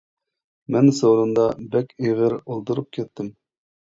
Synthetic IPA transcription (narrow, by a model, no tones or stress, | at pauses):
mɛnsowɾɨnd̪ɑbɛkʲeʁəɾolˠt̪uɾup̚kʲʰɛt̪ːɪm